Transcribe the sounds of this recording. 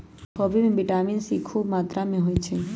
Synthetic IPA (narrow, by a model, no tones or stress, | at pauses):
kʰɔbimẽbiʈaminsikʰubmat̪ɾamẽɦojt͡ʃʰe